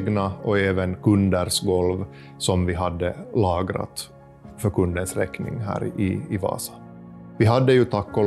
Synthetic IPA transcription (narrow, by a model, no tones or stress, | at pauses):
ɡnaɔeːvənkʰɵnd̪æɾʂɡɔlv | sɔmvɪɦad̪ːəlɑːɡɾa̰t̪ | fœɾkʰɵnd̪ənsɾɛknɪ̰ŋɦæ̰ːɾɪɪvɑ̰ːsḁ | vɪɦad̪ːəjɵt̪ʰakːɔ